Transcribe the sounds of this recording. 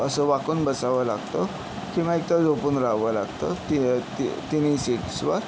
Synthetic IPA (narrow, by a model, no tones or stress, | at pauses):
əsəʋakuːnbəsaʋəlaɡt̪ə | kiʋ̤ãek̚t̪ad͡zopuːnɾaɦʋəlaɡt̪ət̪it̪it̪iniːseksʋəɾ